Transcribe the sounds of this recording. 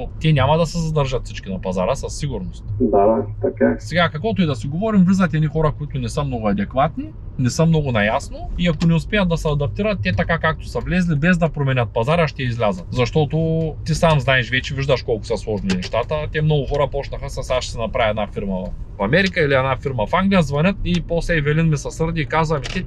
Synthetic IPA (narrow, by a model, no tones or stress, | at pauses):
ot̪ɛnʲamɐd̪ɐsɛzɐd̪əɾʒət̪sit͡ʃkinɐpɐzaɾəsɐsːiɡʊɾnost̪d̪at̪ɐkasɛɡakɐkvɔt̪oid̪ɐsiɡovɔɾimvlʲizət̪ʲɛnixɔɾəkoit̪ʊnɛsəmnɔɡʊɐd̪ɛkvat̪ni | nɛsəmnɔɡʊnɐjasnoiɐkonɛʊspʲɛjət̪d̪ɐsɛɐd̪ɐp̚t̪iɾət̪ːɛt̪ɐkakak̚t̪ʊ̥sɐvlɛzlibɛzd̪ɐpɾomɛnʲət̪̚pɐzaɾaʃt̪ɛizlʲazət̪zɐʃt̪ɔt̪ot̪isamznaɛʃvɛt͡ʃɛviʒd̪əʃkɔlˠkʊ̥səslˠɔʒninɛʃt̪at̪ət̪ʲɛmnɔɡʊxɔɾɐpɔt͡ʃnɐxəsɐsaʃsɛnɐpɾaviɛd̪nafiɾməfɐmɛɾikəiliɛd̪nafiɾmɐfaŋɡlʲijəzvɐnʲɤt̪̚ipɔslɛvɛlinmɛsɐsɤɾd̪iːkazvɐmit̪ɛ